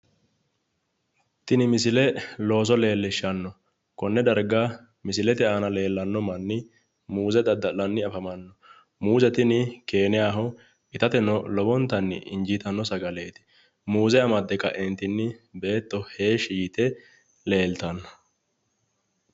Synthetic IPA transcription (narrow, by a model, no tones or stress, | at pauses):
t̪ɪnɪmɪsɪlɛlo̞ːs̬ɔle̞ːlːɪʃːɐnːɔ | kɔnːɛd̪ɐɾɡa | mɪsɪlɛt̪ɪaːnɐle̞ːlːɐnːɔmɐnːɪ | muːzɛd̪ɐd̪ːɐlːɐnːɪɐfɐmɐnːɔ | muːzɛt̪ɪnɪke̞ːnɪjaːɦɔ | ɪt̪ɐt̪ɛnɔlɔbɔnt̪ːɐnːɪ̰ʔɪ̰nd͡ʒiːt̪ɐnːɔsɐɡɐle̞ːt̪ɪ̥ | muːzɛɐmɐd̪ːɛkɐʔɛnt̪ːɪnːɪbe̞ːt̪ːɔhe̞ːʃiːt̪ɛ | le̞ːlt̪ɐnːɔ̥